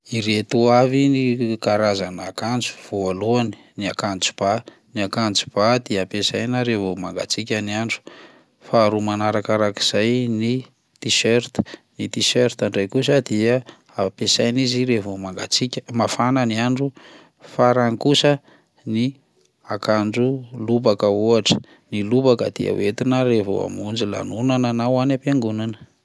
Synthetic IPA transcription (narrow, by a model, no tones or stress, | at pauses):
iɾet̪uavinikaɾazanakant͡su̥v̥oaluani̥ | niakant͡su̥b̥a | niakant͡su̥b̥ad̪iaapesajnəɾevomaŋɡa̰t͡sikʲaniaɳɖ͡ʐu̥ | faːɾumanaɾakaɾaki̥z̥ajni | t̪iʃeɾt̪ə̥nit̪iʃeɾt̪aɳɖ͡ʐajkus̬əd̪iə | apesajniziɾevomaŋɡat͡sikʲəmafananiaɳɖ͡ʐu | faɾanikusə | ni | akand͡ʒulubakəuaʈ͡ʂə̥ | nilubakəd̪̥ḭa̰wet̪inəɾevo̰a̰mund͡ʒila̰nunananawanapeŋɡunanə̥